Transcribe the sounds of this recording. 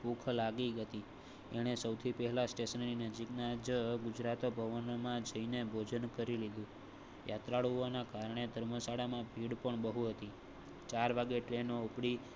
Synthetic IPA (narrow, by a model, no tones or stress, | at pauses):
pukʰlaɡiɡət̪i | ḛɽ̃esəwt̪ʰipɛɦlasʈeʃənninəd͡ʒiknad͡ʒəɡʊd͡ʒɾat̪obʱəʋənmãd͡ʒəinebʱod͡ʒənkəɾilid̪ũ | jat̪ɾaɽuonakaɾɳed̪ʱəɾməsaɽamãbʱiɽpəɳbəɦuɦət̪i | t͡ʃaɾʋaɡeʈɾenoupɽi